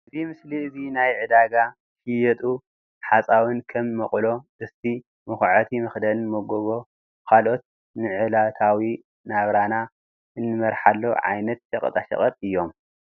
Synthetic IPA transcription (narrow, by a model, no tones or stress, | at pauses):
ʔʔɨzimɨsliɨzinajʕɨd̪aɡa | ʃɨjɛt̪ʼu | ħat͡sʼawɨnkʰɐmːɐχʼlo̞ʔɨst̪ʰi | mɨxʕɐt̪ʰimɨxd̪ɐlmoɡoβo̞ | kʰalʔo̞t̪̚ | nɨʕɨlat̪ʰawi | naβɾana | ʔɨnːɨmɐɾħalːoʕa̰jnɐt̪̚ʃɐqʼt̪ʼaʃɐ̰χʼɐt̪ʼɨjːo̞m